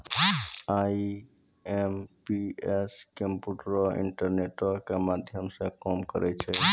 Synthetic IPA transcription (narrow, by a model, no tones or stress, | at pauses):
a | empieskẽmpuʈɾɔɪ̰̃ɳʈəɾneʈakemaːd̪ʱjəmsẽkɔːmkə̰ɾʔɛt͡ʃʰɛ